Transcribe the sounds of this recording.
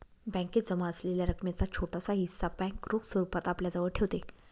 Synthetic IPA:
bɛ̃ŋket̪d͡zəmaəsleljaɾəkmat͡sat͡ɕʰoʈasaɦisabɛ̃ŋkɾoksəɾupat̪apljad͡zəʋəɽʈʰeʋt̪e

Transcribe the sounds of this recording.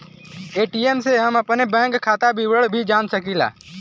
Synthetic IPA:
eːʈiːemseɦɐmɐpnebɛ̃ːŋkʰːaːt̪abiːwəɽbʱid͡ʒaːnsɐkiːla̰ː

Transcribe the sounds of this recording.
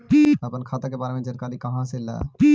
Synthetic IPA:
pːəpənkʰaːt̪akebaːɾemẽd͡ʒəɾkaːɾikɐɦãsela̰pː

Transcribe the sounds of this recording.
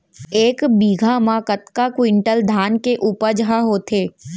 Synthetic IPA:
eːkbiːɡʱamãkət̪kakwɪ̃ɳʈəld̪ʱaːnkeʔuːpəɾd͡ʒəɦaɦoːt̪ʰeː

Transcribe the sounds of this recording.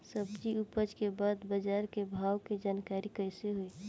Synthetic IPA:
səbd͡ʒiʊpəd͡ʒkebaːd̪bəd͡ʒaːɾkebʱaːwked͡ʒaːnkaːɾikəɪseɦoi

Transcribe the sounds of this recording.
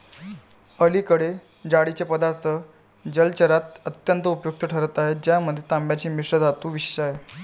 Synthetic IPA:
əlikəɽe | d͡ʑaɽit͡ɕepəd̪aɾt̪ʰə | d͡ʑəlt͡ɕəɾat̪̚ət̪jənt̪əupjok̚t̪əʈʰəɾət̪aɦed͡ʑjaməd̪ʱːjet̪ambjat͡ɕiːmiʂɾəd͡z̪ʱat̪uːʋiɕe̥ɕaɦe

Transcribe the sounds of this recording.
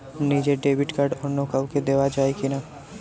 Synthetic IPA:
niːd͡ʒeɖeːbɪʈkəɖɔnoːkəʊked̪eːʋad͡ʒaːekinaː

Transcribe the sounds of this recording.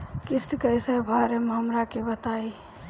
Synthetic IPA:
kist̪ikəjsəbʱəɾemeɦəmɾakebət̪ai

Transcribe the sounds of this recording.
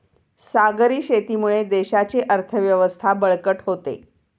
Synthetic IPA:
saɡəɾiːɕet̪iːmuɭed̪eɕat͡ɕeʔəɾt̪ʰəʋjəʋəst̪ʰabəɭkəʈɦot̪ḛ

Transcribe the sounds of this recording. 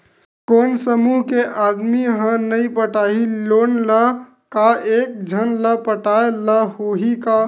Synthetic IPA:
konsəmuɦkeʔad̪miɦə̃nəjpəʈaɦilonlə | kaʔek̚d͡ʒʱənləpəʈaeləɦoɦika

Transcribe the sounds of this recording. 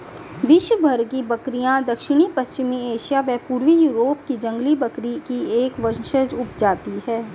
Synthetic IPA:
ʋɪʃwəbʱɐɾkibɐkɾijãd̪ɐkʃɪɽ̃ipɐst͡ʃɪmieːʃijabɛːpuːɾʋijuːɾoːp̚kid͡ʒɐ̃ŋɡlibɐkɾikieːkʋɐɾʃəzʊpd͡ʒaːt̪iɦɛː

